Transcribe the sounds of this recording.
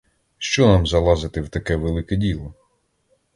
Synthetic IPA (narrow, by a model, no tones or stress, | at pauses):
ʃt͡ʃɔnɑmzɐlˠɑzɪt̪ɪwt̪ɐkɛʋelˠɪkɛdʲilˠɔ